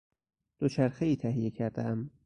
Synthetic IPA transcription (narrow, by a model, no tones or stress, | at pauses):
d̪̥ot͡ʃʰæɾxeiːt̪ʰæhijecʰæɾd̪ææm